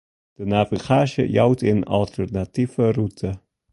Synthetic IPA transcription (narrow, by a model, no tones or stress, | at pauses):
d̥ənaviχaːʃə̰jawtʰɪnɑ̰lˠtʰərnatifərutʰə